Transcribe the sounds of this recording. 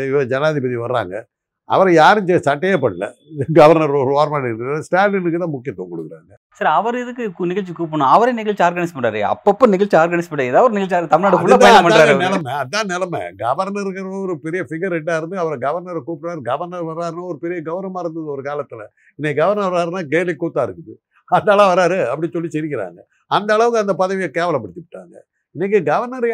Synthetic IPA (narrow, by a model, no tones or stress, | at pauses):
ʋɐd͡ʒɐnaːðipɐðiʋɐɾɾa̰ːŋɡɐ̰ | ɐ̰ʋɐɾɐjaːɾɯɲd͡ʒɛsɐʈːɐjɐpːɐɽɯlɐ̰ | ɡɐʋɐɾnɐɾɔɾɯaːɾmaːɳɪʈːɯasʈaːlɪnɯkːɯt̪ãːmʊkːɪjɐt̪ːõkɔɽɯkːɪɾa̰ːŋɡɐ | sɐɾɐʋɐɾɪðɯkːɯknɪɣɐɭt͡ʃːikuːp̬ːɐɳʊ̃ɐʋɐɾɐnɪɣɐɭt͡ʃːaːɾɡɐnɪspɐɳɖaːɾḛɐ̰pːɐpːoːnɪɣɐɭt͡ʃːiaːɾɡɐnɪspɐɳːɖɛðaːʋɐɾnɪɣɐɭt͡ʃaːɾt̪ɐmɪɭnaːɽfʊɭːɐp̪ɐjɐnɐpɐɳɾaːɾnɛlɐmɛɐãːnɛlɐmɛ̰ɡɐʋɐɾnɐɾɣɐɾɔɾɯpɛɾɪjɐfɪɣɐɾɛʈːaːɪɾɯnd̪ɯɐʋɐɾɐɡɐʋɐɾnɐɾɐkuːpːɯɾaːɾɡɐʋɐɾnɐɾʋɐɾaːɾɯnãːɔɾɯpɛɾɪjɐɡɐʋɐɾnɐmaːɪɾɯnd̪ɐðɯɔɾɯkaːlɐt̪ːɪlɐ̰ | ɪnːeɡɐʋɐɾnɐʋaːɾɯnaːɡeːɾlikːuːt̪ːaːɪɾɯkːɯðɯ̰ | ɐnd̪ɐːɭɐ̃ʋɐɾaːɾɯɐpːɐɽɪsɔlːisɛɾɪkːɪɾa̰ːŋɡɐ | ɐnd̪ɐːɭɐʋɯkːɯɐnd̪ɐpɐðɐʋɪjɐkeːʋɐlɐpːɐɽɪt̪ːɪʋɪʈːa̰ːŋɡɐ̰ | ɪnːɛk̬ːɯɡɐʋɐɾnɐɾ